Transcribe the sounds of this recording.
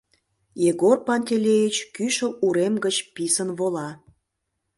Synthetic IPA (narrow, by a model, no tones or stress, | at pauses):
jeɡorpɑnʲt̪ʲelʲejit͡ɕkyʃə̆uɾemɡət͡ɕpisənβolɑ